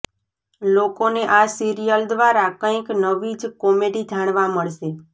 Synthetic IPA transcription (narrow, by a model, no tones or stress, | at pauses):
lokoneʔasiɾijəld̪ʋaɾakə̃ĩknəʋid͡ʒkɔmeɖid͡ʒʱaɽ̃ʋaməɭʃe